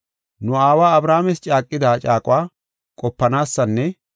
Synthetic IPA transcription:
nʊaːwaːɐbɾaːmɛst͡ʃʼaːkʼːɪd̪aːt͡ʃʼaːkʼʊwaː | kʼɔpːɐnaːsːɐnːɛ

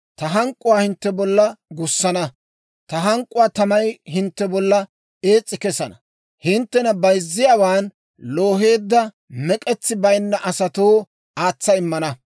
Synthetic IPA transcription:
t̪ɐɦɐŋkʼːʊwaːhɪnt̪ːɛbɔlːɐɡʊsːɐnɐ | t̪ɐɦɐŋkʼːʊwaːt̪ɐmɐjhɪnt̪ːɛbɔlːɐ | e̞ːt͡sʼːɪkɛsɐnɐ | hɪnt̪ːɛnɐbɐjzːɪjaːwaːn | lo̞ːɦe̞ːd̪ːɐ | mɛkʼɛt͡sːɪbɐjnːɐʔɐsɐt̪o̞ː | aːt͡sːɐɪmːɐnɐ

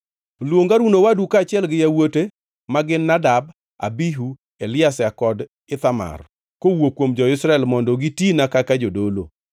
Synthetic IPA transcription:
lwoŋɡaɾunowadukat͡ʃɪɛlɡɪjawote | maɡɪnːadab | a̰biɦu | elɪasakɔd | ɪt̪ama̰r | kowokwomd͡ʒɔɪsɾaɛlmɔndɔɡitinakakad͡ʒodolo̰

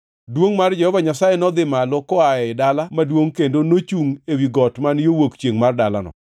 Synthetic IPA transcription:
dwoŋmard͡ʒɛhɔvaɲasajɛnɔd̪ɪmalɔkɔaɛɪdalamadwoŋkendonot͡ʃuŋewiɡɔtmanjowokt͡ʃjeŋmardala̰nɔ̰

